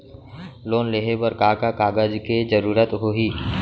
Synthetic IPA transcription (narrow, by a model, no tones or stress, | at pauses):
loːnleːɦebəɾkaːkakaːɡəd͡ʒked͡ʒəɾuːɾət̪ɦoːɦiː